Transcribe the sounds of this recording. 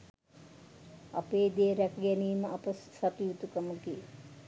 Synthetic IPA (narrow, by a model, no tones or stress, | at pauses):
ɐ̰peːd̪eːɾɐkjɐniːmɐpɐssɐʈ̪ijut̪ukɐmuki